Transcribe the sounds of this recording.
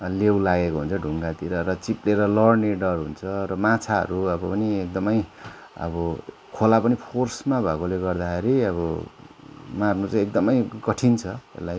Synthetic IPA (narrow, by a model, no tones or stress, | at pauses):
lewlaɡekoɦunt͡sʰʌɖʱuŋɡat̪iɾʌɾʌt͡sipleɾʌlʌrneɖʌrɦunt͡sʰʌrʌmat͡sʰaɦʌ̰ɾuʌbʌpʌniek̚d̪ʌmʌj | ʌ̰bʌ | kʰolapʌnipʰorsmabʱakoleɡʌrd̪akʰeɾiʌβʌ | marnut͡sãek̚d̪ʌmʌjkʌʈʰint͡sʰʌḛlːaj